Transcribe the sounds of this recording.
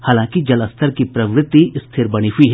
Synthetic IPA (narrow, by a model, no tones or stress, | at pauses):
haːlãːkid͡ʒɐləst̪ʰəɾkipɾɐʋɾɪt̪ist̪ʰɪɾbɐɽ̃iɦʊiɦɛ